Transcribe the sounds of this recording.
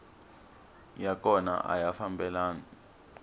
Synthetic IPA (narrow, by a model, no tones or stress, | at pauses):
jak̬ʰʼɔna̰ʔa̰jafambɛlaːn